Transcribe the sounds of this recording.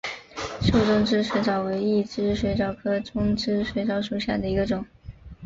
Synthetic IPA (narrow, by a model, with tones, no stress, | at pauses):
ʂo˥˩ʊʈ͡ʂʊ˥ŋʈ͡ʂɻ̩˥ʂwe˧˥ʈ͡ʂɑ˨˩ʊwe˧˥ɪi˥˩ʈ͡ʂɻ̩˥ʂwe˧˥ɪʈ͡ʂɑ˨˩ʊkʰɤ˥ʈ͡ʂʊ˥ŋʈ͡ʂɻ̩˥ʂwe˧˥ɪʈ͡ʂɑ˧˥ʊʂu˨˩ɕja̰˥˩d̪ə˩i˧˥ɡə˧ʈ͡ʂʊ˨˩˦ŋ